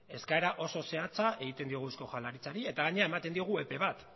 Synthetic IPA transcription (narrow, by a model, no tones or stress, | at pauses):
e̞skae̞ɾaʔo̞so̞se̞at͡saʔe̞ɣit̪e̞nd̪io̞ɣ̞usko̞xalaɾit͡saɾie̞t̪aɣaɲe̞ae̞mat̪end̪io̞ɣ̞ue̞pe̞β̞at̪